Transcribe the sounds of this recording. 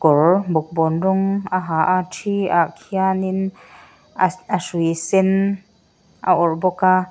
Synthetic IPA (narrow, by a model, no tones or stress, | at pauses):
kɔrbɔk̚bɔnrɔŋaɦaʔatʰia̰ʔkʰianin | asujsɛn | ʔa̰ʔɔrbɔka